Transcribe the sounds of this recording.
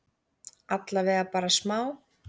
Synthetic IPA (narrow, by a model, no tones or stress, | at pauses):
at̪lavɛːɣapaːɾasmaːw